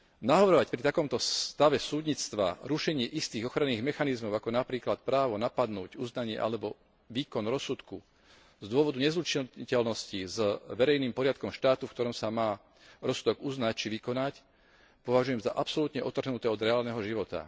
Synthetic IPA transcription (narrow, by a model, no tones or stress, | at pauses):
naɦɔʋɾɔʋacpɾit̪akɔmt̪ɔst̪aʋɛsuːd̪ɲit͡st̪ʋa̰ɾuʃɛɲɪɛʔist̪iːɣɔxɾanːiːɣmɛxanizmɔʊakɔnapɾiːklat̪̚pɾaːʋɔnapad̪nuːɟuznaɲɪɛ̰ʔa̰lɛbɔ | ʋiːkɔnɾɔsːut̪ku | zd̪ʊɔʋɔd̪uɲɛzɾut͡ʃiicɛlnɔscizʋɛɾɛjniːmpɔɾɪat̪̚kɔmʃt̪aːt̪ufkt̪ɔɾɔmsamaː | ɾɔsud̪ɔɡuznac̚t͡ʃiʋikɔnac | pɔʋaʒujɛmzaʔapsɔlut̪ɲɛʔɔt̪r̩ɦnut̪ɛːɔd̪ɾɛaːlnɛɦɔʒiʋɔt̪a̰